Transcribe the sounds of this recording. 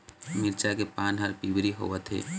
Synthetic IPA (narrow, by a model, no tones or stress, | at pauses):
mɪɾt͡ʃakepaːnɦəɾpibɾiɦo̰ːʋət̪ɦḛː